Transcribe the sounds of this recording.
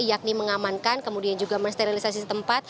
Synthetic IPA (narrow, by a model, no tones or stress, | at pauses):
jak̚niməŋamankankəmudiand͡ʒuɡaməst̪eɾilisasisət̪əmpat̪̚